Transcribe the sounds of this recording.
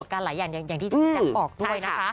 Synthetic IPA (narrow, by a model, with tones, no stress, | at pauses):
t̪̚kaː˧nlaː˩˦jaː˨˩ŋja˨˩ŋjaː˨˩ŋt̪ʰiː˥˩˥t̪a˥˩pɔː˨˩k̚du˩əjna˦˥a˦˥